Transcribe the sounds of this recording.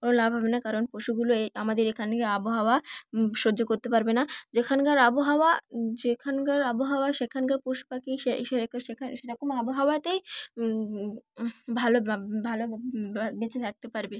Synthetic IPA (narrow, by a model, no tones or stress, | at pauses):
konolabʱɔbenakaɾonpoʃuɡuloeamad̪eɾekʰankaaboɦawaʃod͡ʑokoɾt̪epaɾbenad͡ʑekʰankaɾaboɦawad͡ʑekʰankaɾaboɦawaʃekʰankaɾpoʃu̥pakiʃeʃekʃekʰanʃeɾɔkomaboɦawat̪ej | bʱalobʱalobet͡ɕʰet̪ʰak̚t̪epaɾbe